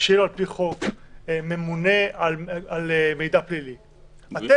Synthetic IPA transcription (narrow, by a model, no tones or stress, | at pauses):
ʃloalpiχo̞kme̞mune̞alalme̞jd̪aplili | at̪e